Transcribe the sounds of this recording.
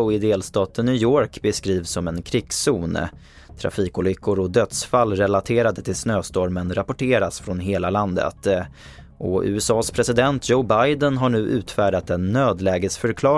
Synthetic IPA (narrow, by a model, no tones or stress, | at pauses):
ɪd̪eːlst̪ɑːt̪ənːjʏjoːɾkbɛskɾiːvsɔmɛnkʰɾɪɡ̥suːn | t̪ʰɾa̰fiːkʊlʏkʰːʊɾɔd̪œt̪sfalːɾɛlat̪ʰeːɾad̪ət̪ʰɪlsnøːst̪ɔɾmənɾapʊʈʰeːɾasfɾɔnɦeːlaland̪ə̰t̪ | ʔɔʉ̟̰ɛsɑːspʰɾɛsɪd̪ɛnt̪joʊbajd̪ənɦaɳʉ̟ːʔʉ̟ːt̪fæːɖat̪ɛnːøːd̪lɛːɡəsfœɾkʰlɑː